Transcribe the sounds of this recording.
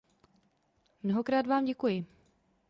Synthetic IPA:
mnoɦo̞kɾaːdvaːmɟɛkujɪ

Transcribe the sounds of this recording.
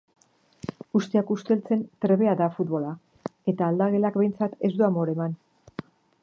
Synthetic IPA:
ɡust̪iakust̪e̞lt͡se̞nt̪ɾe̞βe̞aðafut̪̚βo̞la | e̞t̪aːld̪aɣe̞lakbe̞jnt͡sat̪e̞zd̪uamo̞ɾe̞man

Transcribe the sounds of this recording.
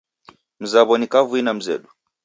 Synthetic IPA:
m̩zaβɔnikavuinam̩zɛ̰ɗu

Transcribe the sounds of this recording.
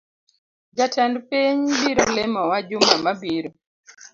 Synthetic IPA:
d͡ʒatʰɛndpiɲbiɾɔlɛmɔwad͡ʒumamabiɾɔ

